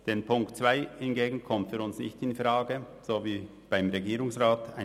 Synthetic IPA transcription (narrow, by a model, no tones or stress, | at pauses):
d̥eːnpʰʊŋktt͡sv̥aɪhɪnɡeːɡŋ̩kʰɔmtviːɾʊnsnɪ̰çtɪnfraːɡə | z̥oːviː | b̥aɪmʁeɡiːɾʊŋsʁaːtʰaɪ